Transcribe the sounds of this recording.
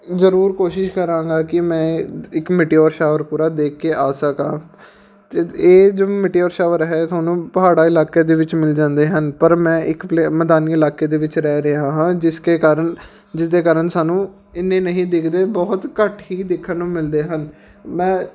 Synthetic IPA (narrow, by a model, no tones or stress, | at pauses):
zəɾuːɾkoːʃɪʃkəɾãːŋɡaːkɪmɛ̃ːɪkmɪʈiːɔːɾʃaːʋəɾpuːɾaːd̪eːkʰːeːʔaːsəkãː | t̪eːeːd͡ʒoːmɪʈiːɔːɾʃaːʋəɾɦɛːsaːnũːpəɦaːɽaːɪlaːkeːd̪eːʋɪt͡ʃmɪld͡ʒãːnd̪eːɦənpəɾmɛ̃ːʔɪkpleːmɛd̪aːniːɪlaːkeːd̪eːʋɪt͡ʃɾɛːɾeãːɦãːd͡ʒɪskeːkaːɾəɳ | d͡ʒɪd̪eːkaːɾəɳsaːnũː | ɪnːẽːnəɦĩːd̪ɪkʰd̪eːbɔːt̪kəʈʰɦiːd̪ɪkʰːənːũːmɪld̪eːɦən | mɛ̃ː